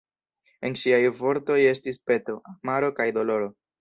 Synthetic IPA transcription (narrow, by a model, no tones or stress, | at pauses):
e̞nʃiajvo̞ɾto̞je̞stispe̞to̞amaɾo̞kajdo̞lo̞ɾo̞